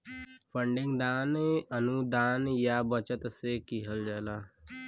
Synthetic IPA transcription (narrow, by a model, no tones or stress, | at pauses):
pʰə̃ɳɖɪ̃ŋɡd̪aːnənud̪aːnjabət͡ʃət̪sekiɦəld͡ʒaːlaː